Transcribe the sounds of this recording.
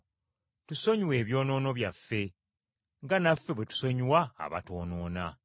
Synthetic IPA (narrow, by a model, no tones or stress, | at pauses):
tuso̞ɲuwe̞ːβjo̞ːno̞ːno̞βjafːe̞ | ŋɡanafːe̞βwetu̥so̞ɲiwa̰ːβa̰to̞ːno̞ːna